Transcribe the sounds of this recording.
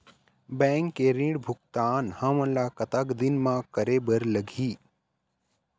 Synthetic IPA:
bɛ̃ːŋkːeɾĩɽbʱʊkt̪aːnhãmə̃nlaːkɐt̪akd̪ɪnmãkəɾeːbəɾləɡʱiː

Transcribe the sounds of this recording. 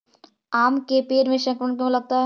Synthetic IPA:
aːmkepeːɾmẽʃɐ̃ŋkɾəɳk̬õlɐɡ̚t̪aɦ

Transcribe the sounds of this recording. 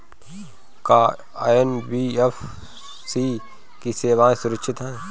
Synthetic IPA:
kaː | enbiːef | siː | kiseːʋaːẽsʊɾəkʃʰɪt̪ɦɛẽ

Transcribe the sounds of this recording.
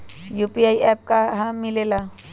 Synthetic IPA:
juːpiaːiʔɛːp̚kaɦãmɪlela

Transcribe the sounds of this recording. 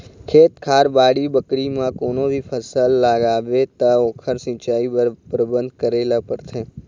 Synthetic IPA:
kʰet̪kʰaɾbaɽibəkɾimãkonob̪ʱipʰəsəlːaɡaʋet̪aokʰəɾsĩt͡ʃaipɾəbənd̪kəɾelapəɾt̪ʰe

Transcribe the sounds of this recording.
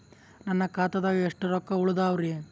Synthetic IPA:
nɐnːɐkaːt̪ɐd̪ɐeʂʈɐɾɔkːɐuɭud̪aːʋɾie

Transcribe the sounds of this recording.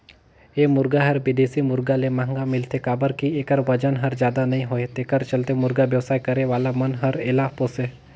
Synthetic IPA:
eːmʊɾɡaɦɐɾbɪd̪eːsimʊɾɡalemãŋɡamɪlt̪ekaːbəɾkiekəɾʋɐd͡ʒənɦɐɾzd͡ʒjaːd̪anɐɦĩɦoet̪eːkəɾt͡ʃɐlt̪emʊɾɡaʋjəʋsaːikɐɾeʋaːlamɐnɦɐɾɪlaːposeː

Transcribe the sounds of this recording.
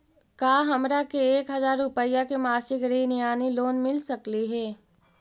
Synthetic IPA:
kaːɦɐmɾakeeːkɦɐzaːɾːʊpəjːakemaːsɪkɾiːnijaːniloːnmɪlsɐkliɦɛː

